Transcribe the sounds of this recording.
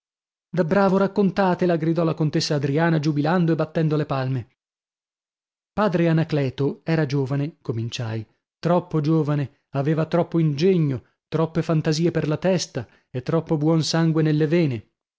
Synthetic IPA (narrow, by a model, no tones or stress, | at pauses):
d̪abɾaːvoɾakːont̪aːt̪elaɡɾid̪ɔlakont̪esːaːd̪ɾiaːnad͡ʒubiland̪oebat̪ːɛnd̪olepalme | paːd̪ɾeanaklɛːt̪oɛːɾad͡ʒoːvanekomint͡ʃaj | t̪ɾɔpːod͡ʒoːvane | aveːvat̪ɾɔpːoind͡ʒeɲːo | t̪ɾɔpːefant̪aziːeperlat̪ɛst̪a | et̪ːɾɔpːobwɔnsaŋɡwenelːevɛːne